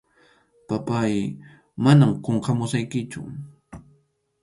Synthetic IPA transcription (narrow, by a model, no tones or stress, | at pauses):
papaj | manamqoɴqɑmʊsajkɪt͡ʃʊ̰